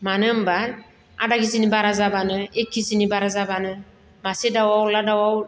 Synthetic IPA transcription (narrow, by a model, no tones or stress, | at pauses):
manɯmbaɾ | a̰daɡis̬inibaɾazabanɯekʰːisinibaɾazabanɯ | masedawawladawaw